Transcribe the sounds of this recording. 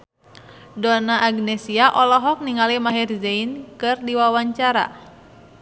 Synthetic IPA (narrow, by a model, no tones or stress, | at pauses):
dɔnaʔːɡnɛsiaʔɔlɔɦɔk̚niŋalimaɦirzeinkɨrdiwawaɲt͡ʃaɾa̰